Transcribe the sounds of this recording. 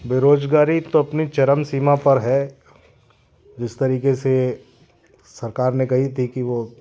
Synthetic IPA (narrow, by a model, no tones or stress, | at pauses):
beɾoːd͡ʒɡaːɾit̪oɐpnit͡ʃɐɾəmsiːmapɐɾɦɛ | d͡ʒɪst̪ɐɾiːkese | sɐɾkaːɾnekɐɦit̪ʰikiʋoː